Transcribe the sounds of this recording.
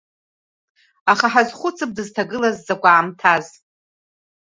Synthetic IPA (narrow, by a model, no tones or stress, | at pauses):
aχaħazχʷʊt͡sʰɨp̚dɨztʰaɡɨlazːakʷaʕːmtʰaz